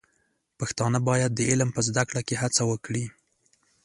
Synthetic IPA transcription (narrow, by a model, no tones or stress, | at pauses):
paxt̪ɑnəbɑjad̪̚ːəɪlmpəzd̪akɽakeɦat͡sawəkɽi